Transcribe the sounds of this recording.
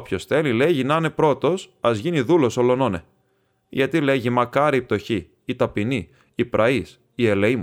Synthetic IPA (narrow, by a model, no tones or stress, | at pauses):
pço̞sθe̞lile̞ʝinɐne̞pɾo̞t̪o̞sɐzʝiniðulo̞solo̞nonḛ | ʝɐt̪ile̞ʝimɐkɐɾiip̚t̪o̞çiː | t̪ɐpiniː | pɾʔɐis | ieleim